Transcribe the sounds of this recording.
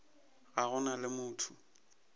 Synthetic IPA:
ɣaɣʊnalɪmʊːtʰʊ̥

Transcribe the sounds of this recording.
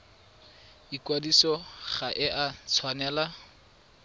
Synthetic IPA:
ikwadisɔχaʔɪʔat͡sʰwanɛːla

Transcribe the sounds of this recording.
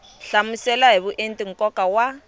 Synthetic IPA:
ɬamusɛlaɦiβuʔentʼiŋ̩kɔkawa

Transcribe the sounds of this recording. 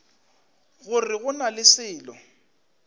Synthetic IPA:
ɣʊrɪɣʊnalɪsɪːlɔ

